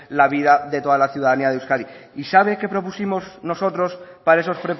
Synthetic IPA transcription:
laβiðaðe̞t̪o̞ðalaθjuðaðaniaðewskaðiisaβ̞e̞ke̞pɾo̞pusimo̞zno̞so̞t̪ɾo̞spaɾae̞so̞spɾe̞p

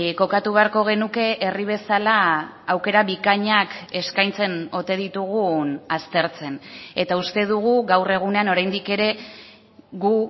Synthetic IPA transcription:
ko̞kat̪uβe̞aɾko̞ɣ̞e̞nuke̞ʔeriβ̞e̞salaːwke̞ɾaβikaɲake̞skajnt͡se̞no̞t̪e̞ðit̪uɣ̞unast̪e̞ɾt͡se̞ne̞t̪aust̪e̞ðuɣ̞uɣawre̞ɣ̞une̞ano̞ɾajnd̪ike̞ɾe̞ | ɣu

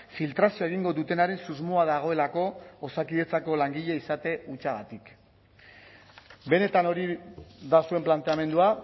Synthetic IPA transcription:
filt̪ɾasioeɣ̞iŋɡo̞ðut̪e̞naɾe̞nsuzmoaðaɣ̞o̞e̞lako̞ːsakiðe̞t͡sako̞laŋɡiʎe̞isat̪e̞ut͡ʃaɣat̪ik | be̞ne̞t̪ano̞ɾiðasue̞mplant̪eame̞nd̪ua

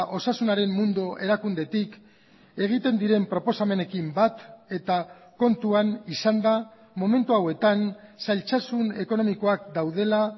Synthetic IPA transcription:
ʔo̞sasunaɾe̞mmund̪oʔe̞ɾakund̪e̞t̪ik | e̞ɣ̞it̪e̞nd̪iɾe̞mpɾo̞po̞same̞ne̞kimbat̪e̞t̪a | ko̞nt̪uanisand̪a | mo̞me̞nt̪uawe̞t̪ansajlt͡sasune̞ko̞no̞miko̞akd̪awð̞e̞la

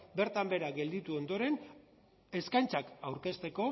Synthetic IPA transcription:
be̞ɾt̪ambe̞ɾaɡe̞ld̪it̪uo̞nd̪o̞ɾe̞n | eskajnt͡sakawɾke̞st̪e̞ko̞

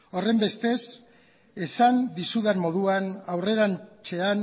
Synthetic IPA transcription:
o̞re̞mbe̞st̪e̞s | esand̪isuðemmo̞ðuanawre̞ɾant͡ʃe̞an

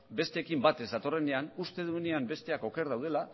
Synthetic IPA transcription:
be̞st̪eːkimbat̪e̞zðat̪o̞re̞ne̞anust̪e̞ð̞une̞ambe̞st̪e̞ako̞ke̞ɾðawð̞e̞la

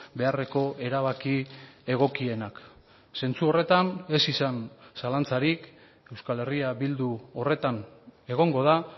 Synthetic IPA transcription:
be̞are̞ko̞ʔe̞ɾaβ̞akie̞ɣ̞o̞kie̞nak | se̞nt͡suo̞re̞t̪ane̞sisansalant͡saɾik | e̞wskale̞riaβild̪uo̞re̞t̪ane̞ɣ̞o̞ŋɡo̞ða

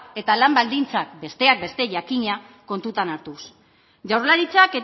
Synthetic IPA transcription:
e̞t̪alambald̪int͡sak̚be̞st̪e̞ak̚be̞st̪e̞ʝakiɲa | ko̞nt̪ut̪anaɾt̪us | ʝawɾlaɾit͡sake̞

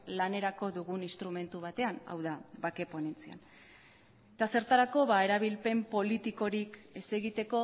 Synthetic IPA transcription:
lane̞ɾako̞ðuɣunist̪ɾume̞nt̪uβ̞at̪e̞ana̰wðaβake̞pone̞nt͡sia̰n | et̪ase̞ɾt̪aɾako̞βae̞ɾaβilpe̞mpo̞lit̪iko̞ɾikese̞ɣit̪e̞ko̞

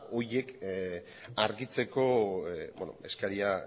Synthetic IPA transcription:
o̞je̞k | aɾɣit͡se̞ko̞bono̰e̞skaɾia

